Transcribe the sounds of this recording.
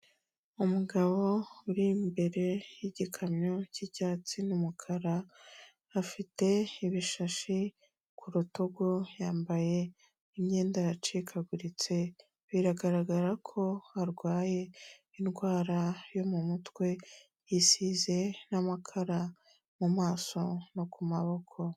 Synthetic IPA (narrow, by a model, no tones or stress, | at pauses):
umuɡaβo̞uɾimbe̞ɾe̞jiɟikʰamɲo̞ciɟaːt͡sinumukʰaɾaː | fite̞iβiʃaʃi | kʰuɾutoɡojaːmbaje̞ | imɲe̞ːndajat͡ʃikʰaɡuɾit͡se̞ | βiɾaɡaɾaɡaɾakʰo̞aɾɡwaːje̞ | inɡwaːɾajo̞mumutwe̞ | jisize̞namakʰaɾa | mumaːso̞no̞kumaβo̞kʰo̞